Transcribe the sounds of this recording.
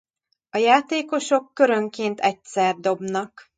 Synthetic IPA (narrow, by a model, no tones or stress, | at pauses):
ɒjaːt̪eːko̞ʃo̞kːøɾøŋkeːnt̪ɛcsɛrd̪o̞bnɒk